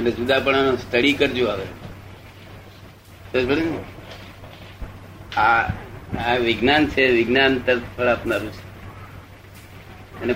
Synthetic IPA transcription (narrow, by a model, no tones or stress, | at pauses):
ənesud̪apəɳanost̪əɽikəɾd͡ʒuaʋe | sosbəɽene | a | aʋɪɡnant͡ʃʰeʋɪɡnant̪əɾt̪ʰpʰəɭapnaɾũt͡ʃʰe̥ | əne